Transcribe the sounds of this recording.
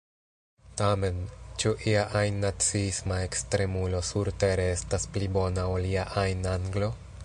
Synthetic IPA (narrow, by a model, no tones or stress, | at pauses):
tame̞nt͡ʃuʔiaʔajnːat͡siismae̞kstɾe̞mulo̞suɾte̞ɾe̞estasplibo̞naoliaʔajnaŋɡlo̞